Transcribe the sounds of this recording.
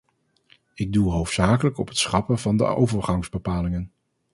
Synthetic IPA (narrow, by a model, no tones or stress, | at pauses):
ɪɡ̚duɦowftsaːkələkɔpɦə̥tsχɑpəvɑndə̰ʔo̰wvəɹχɑŋzbəpaːlɪŋən